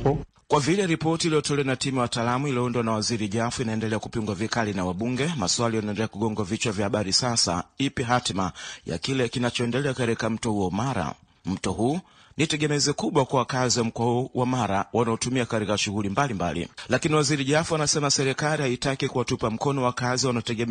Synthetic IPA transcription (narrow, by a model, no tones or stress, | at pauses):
kwavilɛɾipɔtiːlijɔtɔlɛanatimijawataːlamuiliɔndwanawaziɾiʄafuinaɛndɛlɛakupiŋɡwavikalinawaɓuŋɡɛmaswalijanaɛndɛlɛakuɠɔŋɡwavit͡ʃwavjahaɓaɾisasa̰ipiɦatmaja̰kilɛkinat͡ʃɔɛndɛlɛakatɾikam̩tɔhuɔmaɾa̰ | m̩tɔɦuː | nitɛɠɛmɛzɛkuɓwakwawakaziwam̩kwahuuwamaɾawanaɔtumiakatikaʃuɣulimbalimba̰lḭlakiniwaziɾiʄafuanasɛmasɛɾɛkalihaitakikuwatupam̩kɔnɔwakaziwanaɔtɛɡɛm